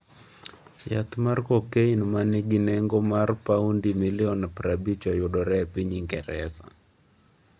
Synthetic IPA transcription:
ja̰t̪markɔkeinmanɪɡinɛŋɡomarpaundimɪlɪɔnapɾabit͡ʃɔjʊdɔɾɛpiɲiŋɡɛ̰ɾɛsa̰

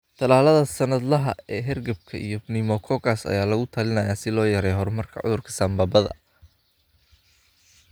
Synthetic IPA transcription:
t̪ʰɐlaːlɐðɐsɐnɐd̪lɐɦɐ̰ɛːɦɛrɡɐb̚kʰɐʔḭjɔnɪmɔkʰɔkʰasɐ̰jaːlɐɣʊt̪ʰɐlɪnɐjaːsɪlɔːjɐɾɛjɦɔrmɐrkʰɐ̰ʕʊ̰ðʊrkʰɐ̥sɐmbaːbɐðɐ̰

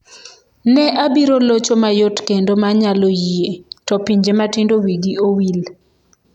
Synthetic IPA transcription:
nɛʔabiɾolot͡ʃomajotkendomaɲalojietɔpiɲd͡ʒematɪndowiɡiowil

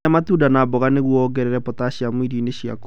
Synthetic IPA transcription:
amatuːdanabɔɣaneɣwɔɣɛɾeɾɛpotaɕiamwiɾineɕia̰k

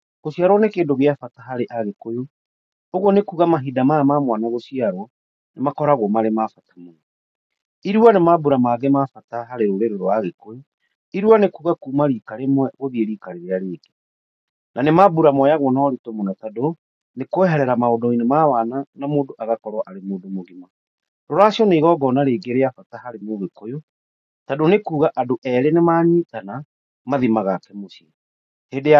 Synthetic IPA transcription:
ɣoʃiaɾwɔnekeːndoɣeafataɦaɾeʔaɣekojo | oɣonekuɣamaɦidamaamamwanaɣoʃiaɾɔ | nemakɔɾaɣwɔmaɾemafatamoɔ | iɾuanemabuɾamaðemafataɦaɾeɾoɾeɾeɾɔaɣekojo | iɾwanekuːɣakuːmaɾiːkaɾemwɛɣoðieɾikaɾeɾeaɾeːɡe | nanemabuɾamɔjaɣwɔnaɔɾitomonatado | nekoɛɦɛɾɛɾamaodɔinemawananamoːdoʔaɣakɔɾwaʔaɾemoːdomoɣima | dɔɾaɕiɔneiɣɔɡɔnaɾeːɡeɾeafatahaɾemoɣekojo | tadonekuːɣaʔadoʔɛɾenemaːɲiːtana | maðimaɣakɛmosiɛ | hedea

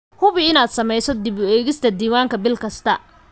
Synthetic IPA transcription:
hʊβɪɪnaːd̪sɐmɛjsɔd̪ɪβʊɛːɣɪst̪ʰɐd̪iːwaːŋkʰɐbɪlkʰɐst̪ʰɐ

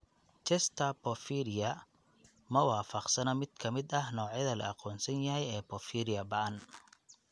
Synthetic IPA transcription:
t͡ʃɛst̪ʰɐpɔfiɾɪjɐ | mɐwɑːfɐqsɐnɐmɪd̪̥kʰɐmɪd̪ɐhnɔːʕjɐðɐlɐ̰ɑqɔːnsɐnjɐɦɛjɛːpɔfiːɾɪjɐbɐʔɐn

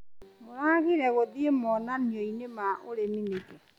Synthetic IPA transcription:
moɾaɣiɾɛɣoðiemɔnanioinemaʔoɾeminekɛ

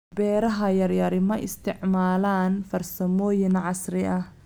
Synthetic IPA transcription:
bɛːɾɐɦɐjɐrjɐɾɪmɐʔɪst̪ʰɪʕmaːlaːnfɐrsɐmɔːjɪnʕɑsrɪʔɐh

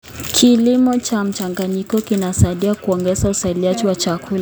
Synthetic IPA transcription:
kʰilimɔt͡ʃam̩t͡ʃaŋɡaɲikɔkinasaiɗiakuɔŋɡɛzausailiad͡ʒiwat͡ʃakʰula

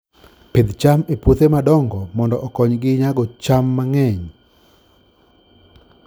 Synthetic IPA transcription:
ped̪t͡ʃameput̪emadɔŋɡɔmɔndɔʔɔkɔɲɡɪɲaɡɔt͡ʃamːaŋɛɲ

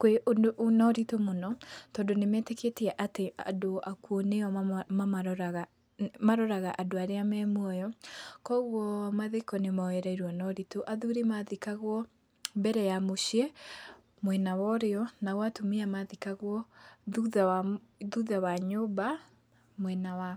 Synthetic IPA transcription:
kweonɔɾitomonɔtɔːndonemɛteketeɛʔateadoakuɔneɔaɾɣa | maɾɔɾaɣaʔadoaɾeamɛmwɔjɔkɔɣwɔmaðekɔnemawɛɾaiɾwɔnɔɾitoʔaðuɾemaðikaɣwɔ | mbɛɾɛjamoɕie | mwɛnawɔɾeɔnawatumiamaðikaɣwɔðuða | ðuðawaɲoːba | mwɛnawa

